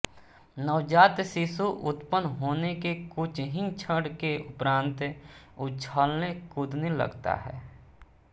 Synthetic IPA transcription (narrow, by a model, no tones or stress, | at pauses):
nəwd͡ʒaːt̪sisuʔʊt̪pənɦoːnekekʊt͡ʃʰɦĩt͡ʃʰəɽkeʊpɾãːnt̪ʊt͡ʃʰaːlnekʊd̪ʱnelə̰ɡt̪a̰ɦɛ̰ː